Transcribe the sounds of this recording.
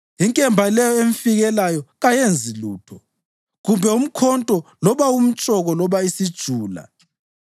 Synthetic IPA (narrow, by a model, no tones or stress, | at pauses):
iŋkʼɛmbʱalɛjɔeɱfiɣɛlajɔɣajend͡zʱiluːtʰɔ | ɣumbʱɛum̩kʰɔntʼɔlɔβaum̩t͡ʃʼɔɣɔlɔβaisid̥ʒ̥ʱuːla̰